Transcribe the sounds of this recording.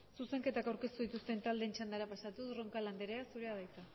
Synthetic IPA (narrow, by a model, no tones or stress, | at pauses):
suse̞ŋke̞t̪akawɾke̞st̪uðit̪ust̪e̞nt̪ald̪e̞ːnt͡ʃand̪aɾapasat̪usro̞ŋkaland̪eɾeasuɾe̞aðajt̪a